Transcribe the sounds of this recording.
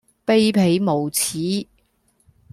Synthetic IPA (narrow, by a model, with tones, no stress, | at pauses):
pe˥jpʰe˨˥jmo˨˩wt͡sʰiː˨˥